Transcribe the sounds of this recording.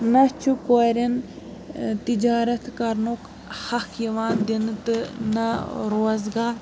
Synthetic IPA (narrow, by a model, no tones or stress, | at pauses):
nɐt͡ʃʰukoɾɐn | t̪id͡ʒaːɾɐt̪ʰkɐɾnok | hɐkʰjiʋaːnd̪int̪ɨnɐɾoːzɡaːɾ